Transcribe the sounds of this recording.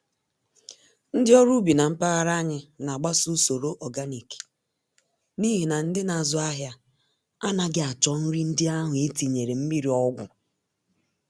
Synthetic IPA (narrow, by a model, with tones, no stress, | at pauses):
n̩˦dɪ˦ɔ˦ɾu˦bi˨na˨m̩˦pa˦ɣa˦ɾa˦ɲɪ˦na˨ɡ͡ba˦su˦so˨ɾo˦ʔɔ˨ɡa˦ni˨ki̥˨ | ni˦ɦi˨na˨n̩˦dɪ˦na˨zʊ˦a˦ɦja˦ | a˦na˦ɡɪ˦a˨t͡ʃɔ˦n̩˦ɾi˦n̩˦dɪ˦a˦ɦʊ˨e˦ti˨ɲe˨ɾe˨m̩˦mi˦ɾi˨ɔ˦ɡʷʊ̰˨